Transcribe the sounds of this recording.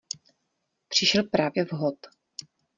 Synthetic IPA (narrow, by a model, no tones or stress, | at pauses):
pr̝̥ɪʃɛlpɾaːvjɛvɦot̪